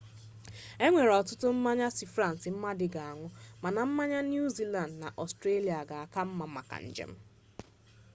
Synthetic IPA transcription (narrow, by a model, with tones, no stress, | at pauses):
e˦ŋʷe˨ɾɔ˨tʊ˦tʊ˦m̩˦ma˦ɲa˦sɪ˨fɾa˦˨n̩˨sɪ˨m̩˦ma˦dɪ˨ɡa˨a˨ŋʷʊ˦ma˨na˨m̩˦ma˦ɲa˦nju˦zi˦la˨ndna˨ʔɔ˨stɾe˦li˨a˨ɡa˨a˦˨ka˦m̩˦ma˨ma̰˨ka̰˨ɲ̩̰˨d͡ʒḛ˦m̩˦